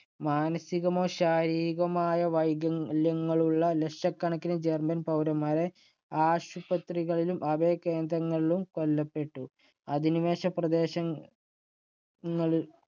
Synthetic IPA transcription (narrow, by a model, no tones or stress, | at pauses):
maːnɐsiɣɐmo̞ːɕaːɾiːɣɐmaːjɐʋɐjɡɐljɐŋːɐɭuɭːɐleʂɐkːɐɳɐkːinɨd͡ʑermɐnpɐwɾɐmːaːɾe | aːɕubɐt̪riɣɐɭilumʔɐbeːke̞ːnd̪ɾɐŋːɐɭilumko̞lːɐpːe̞ʈːu | ɐðiniʋe̞ːɕɐprɐd̪e̞ːɕɐ | ŋːɐɭil